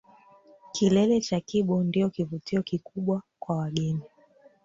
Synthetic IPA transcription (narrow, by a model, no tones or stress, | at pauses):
kilɛlɛt͡ʃakiɓɔndiɔkivutiɔkikuɓwakwawaɠɛni